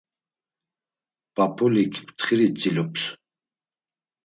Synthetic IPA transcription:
papʰʼulikʰpʰt̪ʰχiɾit͡sʼilupʰs

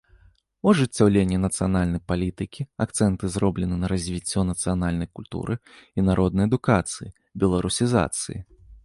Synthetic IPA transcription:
uɐʐɨt͡sʲːawlʲenʲːɛnɐt̪sɨjanalʲnɐjpalʲit̪ɨkʲiak̚t̪sɛnt̪ɨzɾɔblʲɛnɨnɐɾɐzʲvʲit͡sʲːɔnɐt̪sɨjanalʲnɐjkulʲt̪ṵɾʔɨ | inaɾʔɔd̪̚nɐjɐd̪ukat̪sɨji | bʲɛlˠɐɾusʲiza̰t̪sɨ̰jḭ

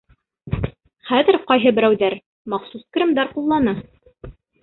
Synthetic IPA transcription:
χæðɘ̆ɾqɑjɦɤbɘ̆ɾæwðæɾ | mɑχsuskrʲĭmd̪ɑɾqulˠːɑnɤ

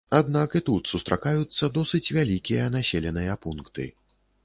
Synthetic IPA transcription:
ad̪nakit̪ut̪sust̪ɾakajut̪sːɐd̪ɔsɨt͡sʲvʲalʲikʲijɐnasʲelʲɛnɨjɐpunkt̪ɨ̰

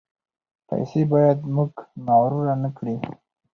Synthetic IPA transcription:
pa̰jsebɑjad̪muɡnɑɾuɾanəkɽi

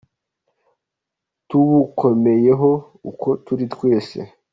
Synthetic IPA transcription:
tuβukʰo̞me̞je̞ɦo̞ | ukʰo̞tuɾitwe̞ːse̞̰

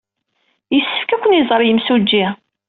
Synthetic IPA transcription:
jəsːə̥fkækʷːənizˤɾˤjəmsud͡ʒːi

